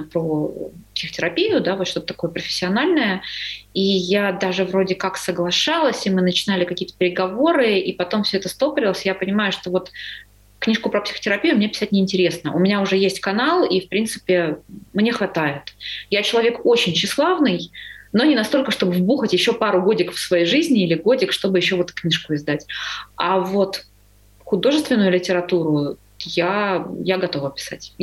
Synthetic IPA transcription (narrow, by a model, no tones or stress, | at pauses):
pɾopsʲɪ̥xətʲɪɾɐpʲijʊd̪avoʂt̪o̞t̪ət̪ɐ̥ko̞jəpɾəfʲɪ̥sʲːɪɐnalʲnəjəijad̪aʐɨvɾo̞dʲɪkaksəɡlˠɐʂalˠəsʲimɨnət͡ɕɪnalʲɪkɐkʲijət̪əpʲɪɾʲɪɡɐvo̞ɾɨipɐt̪o̞mfsʲoɛt̪əst̪opəɾʲɪlˠəsʲjapənʲɪmajʊʂt̪o̞vo̞t̪ | knʲiʂkʊpɾəpsʲɪ̥xə̥tʲɪɾɐpʲijʊmnʲepʲɪ̥sat̚ʲnʲɪnʲtʲɪɾʲe̞snəʔʊ̰mʲɪnʲaʊʐɛjesʲtʲkɐnalˠifpɾʲint̪sɨ̥pʲɪmnʲe̞xvɐt̪ajɪt̪jat͡ɕɪlˠɐvʲe̞ko̞t͡ɕɪnʲɕɪslˠavnɨjno̞nʲɪnɐst̪o̞lʲkəʂt̪o̞bɨvbuxətʲjɪɕːo̞paɾʊɡo̞dʲɪkəfsvɐjejʐɨzʲnʲɪilʲɪɡo̞dʲɪkʂt̪o̞bɨjɪɕːo̞vot̪knʲiʂkʊɪzd̪atʲavo̞t̪ | xʊd̪o̞ʐɨst̪vʲɪnːʊjʊlʲɪtʲɪɾɐt̪uɾʊ | jajaɡɐt̪o̞vəpʲɪ̥sa̰tʲ